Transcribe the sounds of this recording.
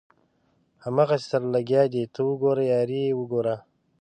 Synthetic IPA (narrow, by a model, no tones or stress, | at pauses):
hamaɣassaɾlaɡjɑːd̪it̪ʰəwəɡoɾajɑːɾiwəɡoːɾa